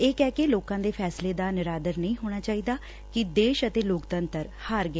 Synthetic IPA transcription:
eːkɛːkeloːkãːd̪eːpʰɛːsleːd̪aːnɪɾaːd̪əɾnəĩːɦoːɽ̃aːt͡ʃaːiːd̪aː | kɪd̪eːʃət̪eːloːkt̪ənt̪əɾ | haːɾɡe

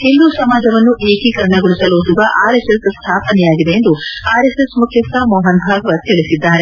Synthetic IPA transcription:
hild̪usɐmaːd͡ʒɐʋɐnːuʔeːkikɐɾɐɳɐɡuɭisɐloːsuɡɐʔaːɾesesst̪ʰaːpɐnɛjaːɡid̪e̞jend̪uaːɾesesmukʰjɐst̪ɐmɔːɦɐnbʱaːɡɐʋɐt̪iɭisid̪ːaːɾe

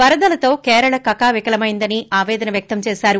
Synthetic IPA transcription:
ʋɐɾɐd̪ɐlɐt̪o̞ːkɛːɾɐɭɐkɐkaːʋikɐlɐmɐjind̪ɐniaːʋɛːd̪ɐnɐʋjɐk̚t̪ɐmt͡ʃɛːsaːɾu

